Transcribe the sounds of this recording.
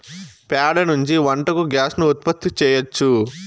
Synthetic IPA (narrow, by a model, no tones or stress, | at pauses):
paːɖɐnuɲt͡ʃiʋɐɳʈɐkuɡjaːsnuːt̪̚pɐt̪ʰːit͡ʃɛːjɐt͡ʃːu